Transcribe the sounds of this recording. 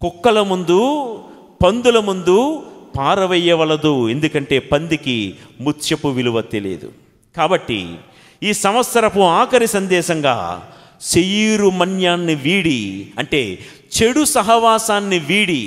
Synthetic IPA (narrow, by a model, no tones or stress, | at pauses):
kɔkːɐlɐmund̪u | pɐnd̪ulɐmund̪upaːɾɐʋɛjːɐʋɐlɐd̪ue̞nd̪ukɐɳʈe̞ːpɐnd̪ikimut͡ʃjɐpuʋiluʋɐt̪ilḛːd̪ṵ | kaːbɐʈːḭ | iːsɐmʋɐt̪sɐɾɐpuaːkɐɾisɐnd̪ɛːʃɐŋɡa̰ː | sejiːɾumɐnjaːnːiʋiːɽiɐɳʈe̞ː | t͡ʃeɽusɐɦɐʋaːsaːnːiʋiːɽi